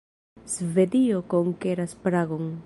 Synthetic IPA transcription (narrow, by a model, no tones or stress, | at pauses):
z̥ve̞d̪iokoŋkeɾaspɾaɡoŋ